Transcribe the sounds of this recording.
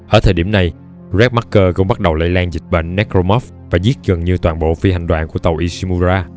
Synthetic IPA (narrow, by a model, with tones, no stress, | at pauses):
ʔəː˧˩t̪ʰəː˨˩ɗi˧˩əmna˨˩j | zɛ˦˥ma˦˥kkːəː˧kə̰˧˥wŋ͡mɓa˦˥t̚ɗə˨˩wla̰ː˧˥jlaː˧ŋzï˨˩k̚ɓə̰˧˨ŋ̟nɛ˦˥kɾo˧mɔ˦˥f | vaː˨˩zi˦˥ət̚ɣə˨˩ŋɲɨ˧t̪waː˨˩nɓo̰˧˨fi˧ha˨˩jŋ̟ɗwaː˧˨nku˧˩ət̪ə˨˩wʔi˧si˧mu˧zaː˧